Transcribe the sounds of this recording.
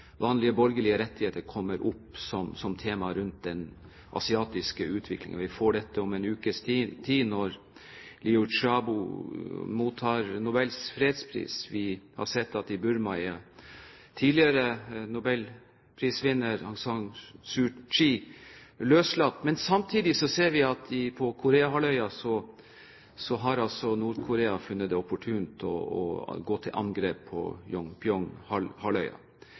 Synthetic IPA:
ʋɑːnlɪəbɔɾɡəlɪəɾɛt̪ːɪheːt̪əɾkʰɔmːəɾʔʊpsɔmsɔmt̪ʰeːmɑɾʉnt̪̚d̪ɛn | ʔɑ̰sɪɑːt̪ɪskəʉːt̪ʰʋɪklɪ̰ŋə̰nʋɪfoːɖɛt̪ːəɔmɛnʉːkəst̪ʰiːnɔɾ | lɪʊʂɑbʊ | muːt̪ʰːɑːɾnʊbɛlsfɾeːd̪spʰɾḭːsʋɪhɑ̰ɾsɛt̪ːɑt̪ɪbʉɾmɑɑ | t̪ʰiːdlɪəɾənʊbɛl | pʰɾiːsʋɪnːəɾɑŋsɑŋsʉt͡ʃiːløːslɑt̪ːmɛnsɑmt̪ʰiːd̪ɪsɔseːɾʋɪɑt̪ʰɪpʰɔkʰʊɾeːɑɦɑlœʏɑsɔ | sɔɦɑɾɑlsɔnuːɾkʰʊɾeːɑfʉnːət̪d̪ɛɔpːʊʈʰʉːnt̪ʰɔ̰ɔ̰ɡoːt̪ʰɪlʔɑ̰ŋɡɾeːpʰːɔ̰jɔŋpɪɔŋhɑlhɑlœʏɑ̰

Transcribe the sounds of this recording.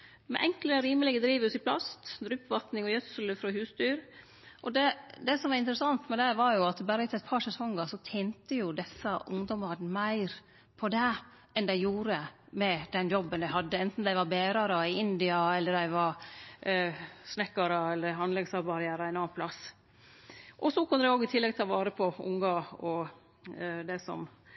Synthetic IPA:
mɛ̰ʔɛŋkləɾiːməlɪɡəd̪ɾiːʋʉsɪpʰlɑ̰st̪d̪ɾʉːpʋɑt̪nɪŋɔjœt̪sələfɾɔɦʉːst̪yːɾ | ʔɔd̪ɛd̪ɛsɔmʋɑɾɪnt̪ɾəsɑnt̪mɛd̪æɪʋɑɾjʊɑt̪bæːɾət̪ʰːɛt̪̚pʰɑːɾʂɛsɔŋːɑsɔt̪ʰɛːnt̪əjʊd̪ɛsːəʔʊ̰ŋd̪ɔmɑɾmæɪɾ | pʰɔd̪ɛ | ʔɛnd̪æɪjuːɾəmɛd̪ɛnjɔbːənd̪æɪɦɑd̪ːəɛnt̪n̩d̪æɪʋɑɾbeːɾɑɾɑɪɪnd̪ɪɑɛlːəɾd̪æɪʋɑɾ | snɛkːɑɾɑɛlːəɾɦɑnlɛŋsɑbɑɾɪæːɾəæɪnɑːɑnpʰlɑs | ʔɔsɔkʰʊnːəd̪ɛoːɡɪt̪ʰɪlːɛɡt̪ʰɑːʋɑːɾəpʰɔʊ̰ŋɑɔ | d̪ɛsɔ̰m

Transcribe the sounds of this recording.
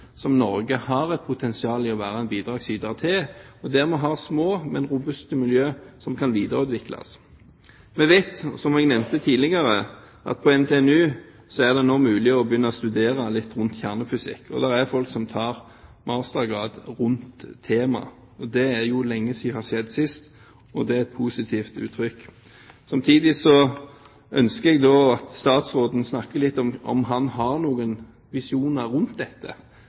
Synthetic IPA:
sɔmnɔɾɡəhɑɾɛt̪̚pʰʊt̪ʰɛnsɪɑːlɪɔʋæːʁɑæɛnbiːd̪ɾɑːɡsyːd̪ɑʁt̪ʰɪɔd̪ɛɾmɛɦɑʁsmoːmɛnɾʊbʉst̪əmɪljøːsɔmkʰɑnʋiːd̪əɾʉːt̪ʋɪklɑ̰s | mɛʋeɪt̪sɔmɛɡnɛʋnt̪ət̪ʰiːlɪɡɑɾə | ʔɑ̰t̪̚pʰɔɛmt̪ʰeːɛnʉː | sɔæʁd̪ɛnoːmʉːlɪɔbjʏnːəɔst̪ʉd̪eːɾɑlɪt̪ːʁʉnt̪çæʁnəfʏsɪ̰kːɔ̰d̪ɛʁæʁfɔlksɔmt̪ʰɑːɾ | mɑːst̪ɑɡɑːd̪ɾʉnt̪ʰːeːmɑ̰ | ɔd̪ɛæɾjʊlɛŋːəsihɑʁsɛd̪ːsɪst̪ | ɔd̪ɛɛt̪̚pʰuːsɪt̪ʰiːft̪ʉ̰ːt̪ʰɾʏkː | sɑmt̪ʰiːd̪ɪsɔ | ʔœnskəɛɡd̪oːɑt̪st̪ɑːt̪sʁoːd̪n̩snɑkːəlɪt̪ːɔmɔ̰mɦɑnɦɑʁnuːɡən | ʋɪsɪuːnɑɾʉnt̪̚d̪ɛt̪ːə̰

